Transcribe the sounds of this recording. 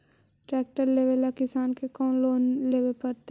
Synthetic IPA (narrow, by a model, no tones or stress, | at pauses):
ʈɾɛːk̚ʈəɾleːʋelakɪsaːnkekɔːnloːnleːʋelpɐɾt̪e